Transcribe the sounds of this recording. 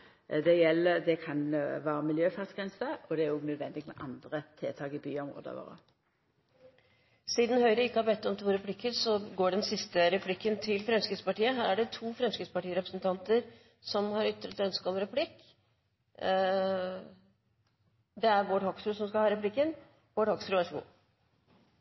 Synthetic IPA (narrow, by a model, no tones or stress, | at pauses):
d̪ɛjɛlːəd̪ɛkʰɑnʋɑːɾəmɪljøːfæʁt̪sɡʁɛnsəɔd̪ɛæɾɔɡnœd̪ʋɛnd̪ɪɡmɛʔɑnd̪ʁət̪ʰeːt̪ʰɑːkɪbyːɔmʁo̰ːd̪ə̰ʋo̰ːʁə̰ | siːd̪n̩hœʏɾəɪkːəhɑɾbɛt̪ːɔmt̪ʰuːɾɛpʰlɪkːəɾsɔɡoːɖɛnsɪst̪əɾɛpʰlɪkːənt̪ʰɪlfɾɛmskɾɪt̪spɑʈiːəɦæːɾæɖɛt̪ʰuːfɾɛmskɾɪt̪spɑʈiːəɾɛpɾəsnt̪ʰɑnt̪əɾ | sɔmhɑɾʏt̪ːɾət̪œnskəɔmɾɛpʰlɪkː | d̪ɛæɾʋoːʈhɔksɾʉsɔmskɑlhɑːɾɛplɪkːən | ʋoːʈhɔksɾʉæʂṵːn